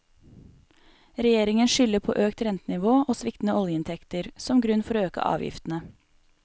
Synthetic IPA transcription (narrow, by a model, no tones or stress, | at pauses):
ɾɛjeːɾɪŋənʃʏləpʰo̰ːʔøːkt̪ɾɛnt̪ənɪʋoːʔoːsʋɪkt̪n̩əɔljəɪnt̪ʰɛkt̪əɾsɔmɡɾʉnfɔɾøːkə̰ʔɑ̰ːʋjɪ̰ft̪n̩ə